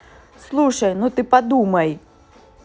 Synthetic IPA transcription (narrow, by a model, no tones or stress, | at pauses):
slˠuʂɐjnut̪ɨpɐd̪umɐj